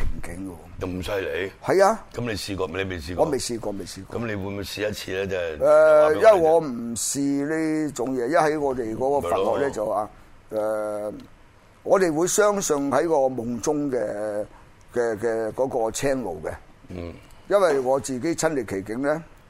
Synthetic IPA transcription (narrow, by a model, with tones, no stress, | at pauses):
kʰɪ˨˩ŋkɪ˨˥ŋɡwɔ˧˨m̩˨˩sɐ˧jle˨˧˦jhɐ˨jaː˧kɐ˨˦mle˨˧jsiː˧kɔː˧le˨˧me˨˩siː˧kɔː˨˧me˨jsiː˧kɔː˧me˨˩jsiː˧kɔ̰˧kɐ˨˦mle˨˧jwu˨˧jmu˨˧siː˧jɐ˥t̚t͡sʰiː˧lɛː˦˥t͡sɛ˥˨ɛ˨˧jɐ˥nɐ˨jŋɔː˨˧m̩˨˩˨siː˧li˥t͡sʊ˨˥ŋjɛː˨˧jɐ˥nhɐ˨˥jŋɔː˨˧t̪e˨jkɔː˨˥kɔː˧faː˨kːɔː˨˧k̚lɛː˥t͡sɐ˨wwaː˨ | ʔɛː˨˧ | ŋɔː˨˧t̪e˨jwuː˨˧jsœː˥ŋsɵ˧nhɐ˨˥jkɔː˧mʊ˨˧ŋt͡sʊ˥ŋkɛː˧ | kɛː˧kɛː˧kɔː˨˥kɔː˧t͡sʰɛː˥ŋlo̰˨wkɛ˧˨˩ | jɐ˥nwɐ˨jŋɔː˨˧t͡siː˨ke˨˥jt͡sʰɐ˥nle˨˩kʰe˨˩jkɪ˨˥ŋlɛː˥